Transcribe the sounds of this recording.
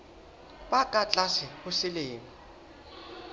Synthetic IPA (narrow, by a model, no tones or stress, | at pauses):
ɓakʼat͡ɬʼasɪhʊsɪleːŋi